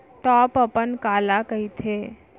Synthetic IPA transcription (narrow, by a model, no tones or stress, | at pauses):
ʈɔːpɐpənkaːlakəit̪ʰeː